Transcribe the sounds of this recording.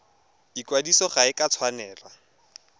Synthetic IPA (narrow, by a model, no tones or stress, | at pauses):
ikwadisɔχaɪkʼat͡sʰwanɛːla